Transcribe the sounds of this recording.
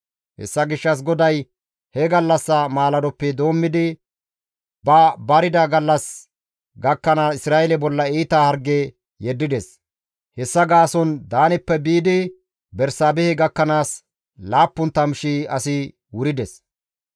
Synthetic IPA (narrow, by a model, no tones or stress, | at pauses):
hɛ̰sːɐɡɪʃːɐs̬ɡɔd̪ɐj | hɛɡɐlːɐsːɐmaːlɐd̪ɔpːɛd̪o̞ːmːɪd̪ɪ | bɐbɐɾɪd̪ɐɡɐlːɐs | ɡɐkːɐnaɪsɾaːʔɛlɛbɔlːɐiːt̪aːhɐɾɡe | jɛd̪ːɪd̪ɛs | hɛsːɐɡaːsɔnd̪aːnɪpːɛbiːd̪ɪ | bɛɾsaːbɛhɛɡɐkːɐnaːs | laːpːʊnt̪ːɐmʃiɐsɪ | wʊɾɪd̪ɛs